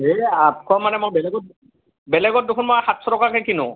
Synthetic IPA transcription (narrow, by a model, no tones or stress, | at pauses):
eap̚kʰɔmanɛmojbɛlɛɡɔt̚ | bɛlɛɡɔt̚dokʰunmɔjxatsɔtɔkakʰɛkinʊ